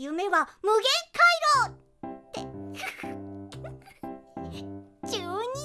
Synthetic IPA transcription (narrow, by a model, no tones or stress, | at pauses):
jɯ̟me̞βamɯ̟ɡẽ̞ŋkʰaiɾoː | t̪e | t͡ɕɨːɲ̟i